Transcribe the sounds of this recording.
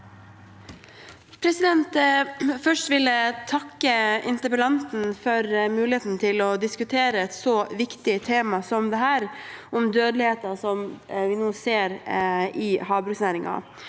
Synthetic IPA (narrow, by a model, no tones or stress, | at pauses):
pʰɾɛsɪd̪ɛnt̪fœʂʈʋɪlːət̪ʰɑkːəɪnt̪əpəlɑnt̪n̩fɔɾmʉːlɪeːt̪n̩t̪ʰɪlɔd̪ɪskʉt̪ʰeːɾəɛt̪sɔʋɪkt̪ɪt̪ʰeːmɑsɔmd̪ɛɦæːɾʔɔmd̪øːd̪lɪheːt̪ɑsɔmʋɪnoːseːɾɪhɑːbɾʉksnæːɾɪŋɑ̰